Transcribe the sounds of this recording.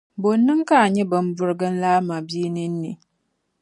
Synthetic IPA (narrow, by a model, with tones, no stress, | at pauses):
bo˨nːɨ˦ŋka˦a˨ɲɛ˦bɨ˨m˦bʊ˦ɾɡɨ˦n˦laː˦ma˨bi˦nɨ˦n̩ː˦ḭ˨